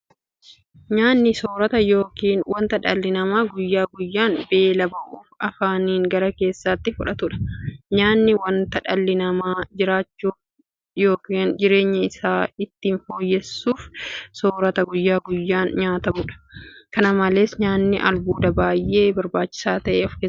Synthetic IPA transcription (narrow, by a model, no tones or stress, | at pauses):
ɲaːnːɪso̞ːɾɐt̪ɐjo̞ːkiːnwɐnt̪ɐᶑɐlːɪnɐmaːɡʊjːaːɡʊjːaːnbe̞ːlɐbɐʔuːfɐfaːniːŋɡɐɾɐke̞ːsːɐt̪ːɪfʊᶑɐt̪ʊᶑɐ̥ɲaːnːɪwɐnt̪ɐᶑɐlːɪnɐmaːd͡ʒɪɾaːt͡ʃːuːf | jo̞ːkiːnd͡ʒɪɾe̞ːɲːɐɪsaːɪt̪ːiːnfo̞ːjːɛsːuːfsoːɾɐt̪ɐɡʊjːaːɡʊjːaːnɲaːt̪ɐmʊᶑɐ̥kɐnɐmɐleːsɲaːnːɪʔɐ̰lbuːd̪ɐbaːjʔe̞ːbɐɾbaːt͡ʃːɪ̥saːt̪ɐʔeːɐfkeː